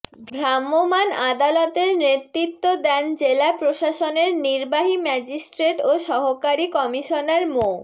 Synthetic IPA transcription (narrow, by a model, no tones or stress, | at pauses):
bʱɾamːomanad̪alɔt̪eɾneɾt̪ɾit̪ːod̪ɛnd͡ʑelapɾoʃaʃoneɾniɾbaɦimɛd͡ʑisʈɾeʈoʃɔɦokaɾikɔmiʃoneɾmo